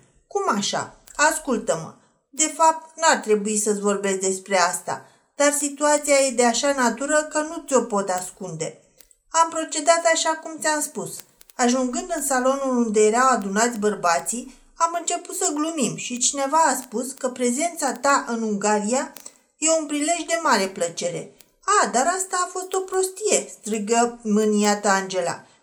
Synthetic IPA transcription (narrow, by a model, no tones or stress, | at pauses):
kumaʃa̰askult̪əmə̰ | d̪e̞fap̚t̪nuart̪ɾe̞buisəsʲvo̞rbe̞sd̪e̞spɾe̞ast̪a̰ | d̪̥arsit̪uat̪siaje̞d̪e̞aʃanat̪uɾəkənut̪sʲo̞po̞t̪askund̪e̞ | ampɾo̞t͡ʃe̞d̪at̪aʃakumt̪sʲamspus | aʒuŋɡɨnd̪ɨnsalo̞nulund̪e̞je̞ɾawad̪unat̪sʲbərbat̪si | amɨnt͡ʃe̞put̪səɡlumimʃit͡ʃine̞vaːspuskəpɾe̞ze̞nt̪sat̪aʔɨnuŋɡaɾija | je̞unpɾile̞ʒd̪e̞maɾe̞plət͡ʃe̞ɾe̞̰ | ad̪aɾast̪aːfo̞st̪o̞pɾo̞st̪ije̞st̪ɾɨɡəmɨniat̪əand͡ʒe̞la̰